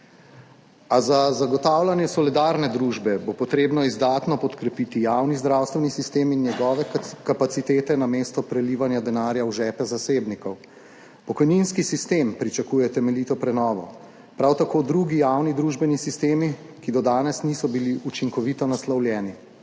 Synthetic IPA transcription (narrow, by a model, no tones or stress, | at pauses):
azazaɡɔt̪aːwlanjɛsɔlid̪aːɾnɛd̪ɾuʒbɛbopɔt̪ɾeːbnɔizd̪aːt̪nɔpɔt̪kɾɛpit̪ijaːwnizd̪ɾaːwst̪ʋɛnisist̪eːminjɛɡɔːʋɛkapat̪sit̪eːt̪ɛnameːst̪ɔpɾɛliːʋanjad̪ɛnaːɾjawʒɛːpɛzaseːbnikɔw | pɔkɔjninskisist̪eːmpɾit͡ʃakuːjɛt̪ɛmɛlit̪ɔpɾɛnɔːʋɔ | pɾawt̪akʰoːd̪ɾuɡijawnid̪ɾuːʒbɛnisist̪eːmi | kid̪ɔd̪aːnɛsnisɔbiliʔut͡ʃiŋkɔʋit̪ɔnaslawljɛːni